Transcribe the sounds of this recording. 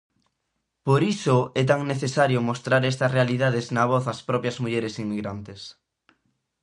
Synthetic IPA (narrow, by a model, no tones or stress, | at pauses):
poɾisʊɛt̪̬aŋneθesaɾjʊmost̪ɾaɾɛst̪ɐsrealiðað̞eznaβ̞ɔθɐspɾɔpjɐzmuʎɛɾesiŋmiɣɾant̪es